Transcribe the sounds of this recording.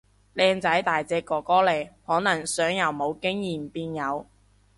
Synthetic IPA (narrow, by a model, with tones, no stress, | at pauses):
lɛː˧ŋt͡sɐ˨˥jt̪aː˨jt͡sɛː˧kːɔː˨˩kɔː˥le˨˩jhɔː˨˥nɐ˨˩ŋsœː˨˥ŋjɐ˨˧wmo˨˧wkɪ˥ŋjiː˨˩mpiː˧njɐ˨˧w